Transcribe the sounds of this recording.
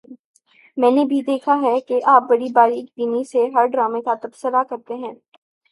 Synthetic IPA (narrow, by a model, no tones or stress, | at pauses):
mɛ̃ːnebʱid̪eːkʰaɦɛkeʔaːp̚bɐɽibaːɾiːkbiniseɦɐɾɖɾaːmẽkat̪ɐbsəɾakɐɾt̪eɦɛ̃ː